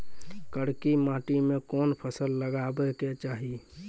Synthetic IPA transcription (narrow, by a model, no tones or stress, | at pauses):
kəɽkimãːʈimẽkɔːnpʰəsəlːəɡaːbeket͡ʃaːɦi